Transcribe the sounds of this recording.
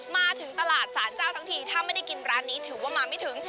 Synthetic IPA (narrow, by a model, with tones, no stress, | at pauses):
maː˧t̪ʰɯ˩˦ŋt̪a˧laː˨˩t̪̚saː˩˦nt͡ɕaː˥˩wt̪ʰa˦˥ŋt̪ʰiː˥˩t̪ʰaː˥˩ma˥˩jd̪a˥˩ki˧nɾaː˧˥nːiː˦˥t̪ʰɯː˩˦waː˥˩maː˧ma˥˩jt̪ʰɯ˩˦ŋ